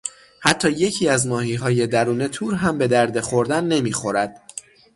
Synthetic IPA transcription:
hæt̪ʰːɒːje̞cʰiːæzmɒːhiːɦɒːje̞d̪æɾuːne̞t̪ʰuːɾɦæmbe̞d̪æɾd̪e̞χo̞ɾd̪ænːe̞miːxo̞ɾæd̪̥

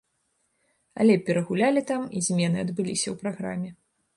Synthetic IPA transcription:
ɐ̰lʲɛpʲɛɾɐɣulʲalʲit̪amizʲmʲɛnɨɐd̪bɨlʲisʲɐwpɾaɣɾa̰mʲːɛ

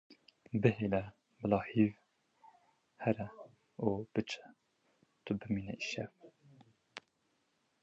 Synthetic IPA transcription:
bɨɦeːlɛ | bɨlɑːhiːv | hɛɾɛ | ub̥ɨt͡ʃʰɛ̥ | t̪ʰʊbɨmiːnɛʔiʃɛf

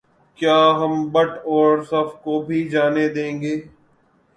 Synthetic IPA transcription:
kjaːɦɐmbəʈɔːɾsɐfkobʱid͡ʒaːned̪ẽːŋɡeː

